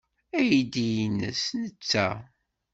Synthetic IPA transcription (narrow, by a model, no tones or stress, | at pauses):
æjid̪ijinːə̰snət͡sːæ